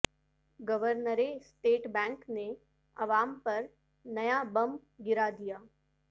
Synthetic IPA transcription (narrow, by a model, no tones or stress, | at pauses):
ɡəʋəɾnəɾesʈeːʈbɛ̃ːŋkne | ɐʋaːmpɐɾ | nɐjabɐm | ɡɪɾad̪ijaː